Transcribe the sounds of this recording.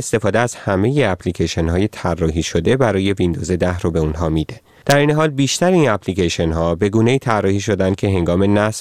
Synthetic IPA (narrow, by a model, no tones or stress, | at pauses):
est̪e̞fɒːd̪eæz̥hæme̞je̞æpʰlicʰeʃenɦɒːjet̪ʰærːɒːɦiːʃo̞d̪e̞bæɾɒːje̞vind̪ozed̪æhɾobe̞unɦɒːmid̪e̞ | d̪̥æɾeːneɦɒːlbiːʃt̪æɾeiːnæpʰlicʰeʃenɦɒːbe̞ɡuːne̞iːt̪ʰærːɒːhiːʃo̞d̪ænd̪̥̚cʰe̞ɦe̞ŋɡɒːme̞næs